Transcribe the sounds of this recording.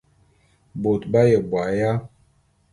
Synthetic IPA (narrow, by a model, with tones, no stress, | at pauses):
bo˨tba˦jə˨bwa˨ja˦